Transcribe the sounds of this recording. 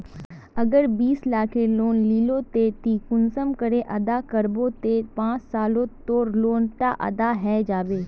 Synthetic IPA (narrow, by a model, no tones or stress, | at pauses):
ɐɡəɾbiːslaːkʰeloːnliːlot̪et̪iːkʊnsəmkəɾeʔɐd̪akɐɾbot̪epãːt͡ʃsaːlõt̪oːɾloːnʈa̰ʔɐ̰d̪aɦɛːd͡ʒaːʋeː